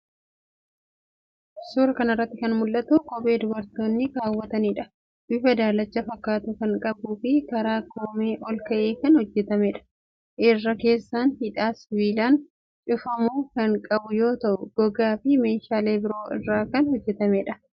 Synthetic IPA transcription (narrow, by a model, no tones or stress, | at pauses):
suːɾɐkɐnɐɪrːɐt̪ːɪkɐnmʊlːɐt̪ukʼɔbʼe̞ːd̪ʊbɐɾt̪oːnːɪɾaːwːɐt̪ɐniːᶑɐ | bɪfɐd̪aːlɐt͡ʃːɐfɐkːaːt̪ʊkɐŋkʼɐbuːfɪkɐɾaːkoːmeːʔɔlkɐʔe̞ːkɐnhɔd͡ʒːɛt̪ɐmɛᶑɐ̥ | ʔɪrːɐke̞ːsːaːnhɪᶑaːsɪbiːlaːn | t͡ʃʼʊfɐmuːkɐŋkʼɐbʊjo̞ːt̪ɐʔʊɡ̥ɔɡaːfɪme̞ːʃaːle̞ːbɪɾo̞ːʔɪ̰rːaːkɐnhɔd͡ʒːɛt̪ɐmɛᶑɐ